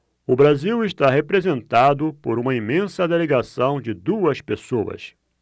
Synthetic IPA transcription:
ʊbɾaziwɪʃt̪aɦepɾezẽnt̪ad̪ʊpoɾũmɐimẽsɐd̪eleɡasɐ̃w̃d͡ʒɪd̪uɐspesoɐ̰s

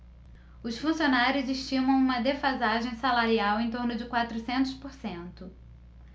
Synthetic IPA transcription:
ʊsfũsionaɾjʊziʃt͡ʃĩmɐ̃w̃ũmɐd̪efazaʒẽj̃salaɾiawẽj̃t̪oɾnʊd͡ʒɪkwat̪ɾʊsẽnt̪ʊspoɾsẽnt̪ʊ

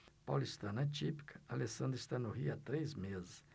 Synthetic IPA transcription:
pa̰list̪anɐt͡ʃipi̥kʰɐ̥alesɐ̃nd̪ɾɪst̪anʊɦiat̪ɾejzmezɪs

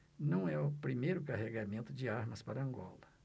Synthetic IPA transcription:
nɐ̃w̃ɛʊpɾimejɾʊkaɦeɡamẽnt̪ʊd͡ʒɪaɾmɐspaɾɐɐ̃ɡɔ̰lɐ

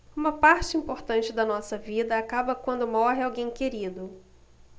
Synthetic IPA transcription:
ũmɐpaɾt͡ʃɪĩmpoɾt̪ɐ̃nt͡ʃɪd̪ɐnɔsɐvid̪ɐakabɐkwɐ̃nd̪ʊmɔɦɪawɡẽj̃keɾid̪ʊ

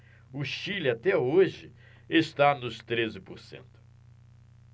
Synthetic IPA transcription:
ʊʃilɪat̪ɛoʒɪ | est̪anʊst̪ɾezɪpoɾsḛ̃nt̪ʊ̥

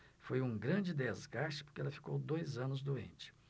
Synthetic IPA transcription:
fojũɡɾɐ̃nd͡ʒɪd̪ezɡaʃt͡ʃɪ̥pʊɾkɪɛlɐfi̥kowd̪ojzɐ̃nʊzd̪uḛ̃nt͡ʃɪ̥

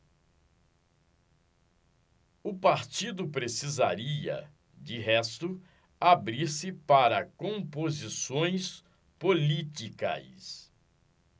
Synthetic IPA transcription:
ʊpaɾt͡ʃid̪ʊpɾesiza̰ɾiɐ̰ | d͡ʒɪɦɛst̪ʊ | abɾiɾsɪpaɾɐkõmpozisõj̃s | polit͡ʃikɐ̰s

